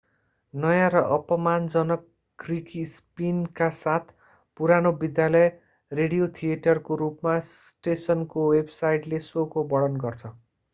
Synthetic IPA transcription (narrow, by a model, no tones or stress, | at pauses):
nʌjãɾʌʔʌpʌmand͡zʌnʌkː | ɡrikispinkasat̪ʰ | puɾanobid̪jalʌj | reɽijot̪ʰieʈʌrkoɾupmasʈesʌnkowebsajʈlesokobʌɽʌnɡʌrt͡sʰʌ